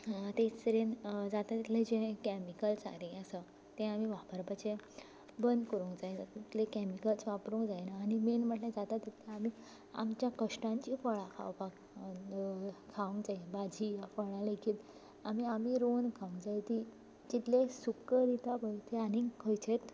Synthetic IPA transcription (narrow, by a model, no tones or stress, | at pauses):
t̪et͡st̪əɾend͡zat̪at̪ːit̪ʰlẽd͡ʑẽkɛmikəlsa̰ɾẽəsə | t̪ẽamiʋabəɾbat͡ɕẽ | bənd̪kəɾũŋkd͡zajd͡zat̪it̪lẽkɛmikəlsʋapɾũkd͡zajnaːñimenm̤əʈlẽd͡zat̪at̪ːit̪lẽami | a̰mt͡ɕjakəʂʈãɲt͡ɕifəɭãkʰa̰wpak | kʰaʋũŋɡd͡zaibad͡ʑʱijafəɭãlekʰiːt̪ | amiamiɾonkʰaũŋɡd͡zajt̪i | t͡ɕit̪lesukəɾit̪apəjt̪eanikʰəjt͡ɕet̪